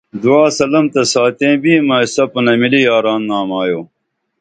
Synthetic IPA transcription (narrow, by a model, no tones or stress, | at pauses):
d̪uaːsɐlɐmt̪ɐsaːt̪ẽːbiːmɐisɐpɐnɐmilijaːɾaːnːaːmaːjoː